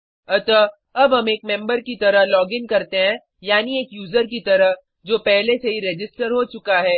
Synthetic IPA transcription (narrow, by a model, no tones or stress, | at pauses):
ɐt̪a | ɐbɦɐmeːk̚mɛ̃mbəɾkit̪ɐɾəɦlɔːɡɪŋkɐɾt̪eɦɛ̃ | jaːnieːkjuːzəɾk̬it̪ɐɾəɦ | d͡ʒoːpɛɦleseɦiɾed͡ʒɪsʈəɾɦot͡ʃʊkaɦɛː